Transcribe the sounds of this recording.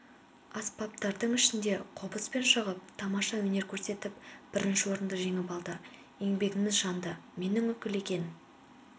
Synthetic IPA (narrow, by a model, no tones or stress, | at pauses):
ɑspɑp̚t̪ɑɾd̪əɴɪʃɪnd̪e̞qʰopəspe̞nʃəʁəp̚t̪ʰɑmɑʃɑwɵne̞ɾkʲʰɵɾse̞t̪ɪp̚b̥ɪɾɪnʃɪwo̞ɾənd̪əʒe̞ŋɪpɑlˠd̪ə | e̞ŋbe̞ɡʲɪmɪzʒɑnd̪əme̞nɪŋwɵkʲɪle̞kʲe̞n